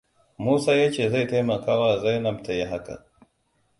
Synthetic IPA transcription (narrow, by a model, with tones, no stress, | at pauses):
muː˦saː˦je˦t͡ʃe˨za˦jte˦ma˨ka˦waː˦˨za˦jnɐ˨mtʰa˨je˦ɦa˦ka̰˨